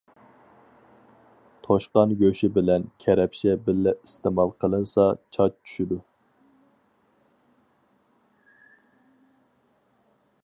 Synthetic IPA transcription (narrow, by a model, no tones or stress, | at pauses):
t̪ʰoʃqɑnjøʃibɪlɛnkʲʰɛɾɛpʃɛbɪlːɛist̪emɑlˠqʰəlˠɨnsɑt͡ʃʰɑt͡ʃt͡ʃʰy̥ʃid̪u